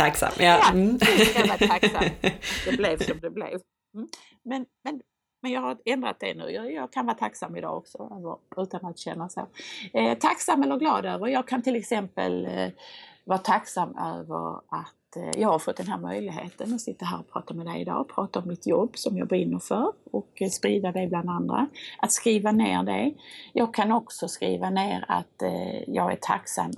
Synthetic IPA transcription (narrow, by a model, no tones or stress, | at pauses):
t̪ʰaksa̰mjɑjaɛkavaaksad̪ɛblɛvsɔmd̪ɛblḛv | m̩ː | mɛnmɛn | mɛnjɑːɡhaɾɛnd̪ɾa̰t̪̚d̪ɛ̰nʉ̟̰ːjjɑːɡkʰanvɑːɾat̪ʰaksamːɪd̪ɑ̰ːɔksɔøːvəɾʉ̟ːt̪anat̪ɕɛnːaso̰ːt̪ʰaksamːɛlːəɾɡlɑːd̪øːvəɾjɑːɡ̚kʰant̪ʰɪlɛksɛmpə̰l | vɑːɾat̪ʰaksamːø̰ːvə̰ɾatt̪jɑːɡhaɾfɔt̪̚ːd̪ɛnɦæːɾmœjlɪɡɦḛːt̪ʰənɔsɪt̪ːaɦæːɾɔpʰɾɑ̰ːt̪amɛd̪ɛjɪd̪ɑ̰ːpʰɾɑːt̪aɔmːɪt̪jɔbːsɔmjɑ̰ɡbɾɪnːəɾfœɾɔkspɾiːd̪ad̪ɛjbland̪and̪ɾa̰ʔat̪skɾiːvaneːɾɖɛ̰jɑːɡ̚kʰanɔksɔskɾḭːvaneːɾa̰t̪jɑːɡæ̰ʈʰa̰ksa̰m